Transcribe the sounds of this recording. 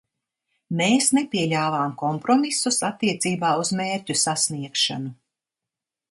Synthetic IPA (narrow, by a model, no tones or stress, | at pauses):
meːsnepiɛlʲaːvaːmkɔmpɾɔmisusat̪ːiɛt̪siːbaːuzmeːɾʲcusasniɛkʃa̰nu